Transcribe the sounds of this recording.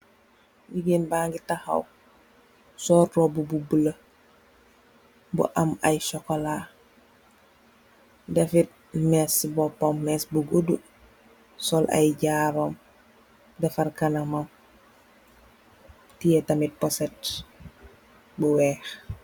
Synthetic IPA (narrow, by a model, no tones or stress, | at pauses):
ɡiɡenbaːŋɡitaxɐ̰w | sɔːɾtɔbububələ | bṵʔɐmɐjʃɔkɔla | dɛfit̚ | mɛsibɔpɔmːɛsbuɡodu | sɔlʔɐ̰jɟaːbɐm | dɛfɐrkɐnɐmɐm | tijɛtɐmit̚pɔsɛt | buwɛːx